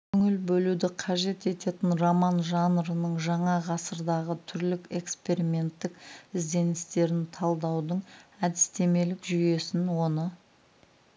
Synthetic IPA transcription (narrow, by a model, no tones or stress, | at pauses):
kʲʰɵŋɪlbɵlud̪ɪqʰɑʒe̞t̪e̞t̪e̞t̪ɪnromɑnʒɑnɾənəɴʒɑɴɑʁɑsəɾd̪ɑʁət̪ʰʏɾlɪke̞kspe̞ɾimʲe̞nt̪ːɪkɪzd̪e̞nɪst̪e̞ɾɪnt̪ʰɑlˠd̪ɑwd̪əɴæd̪ɪst̪e̞me̞lɪkʒʏje̞sɪnwo̞nə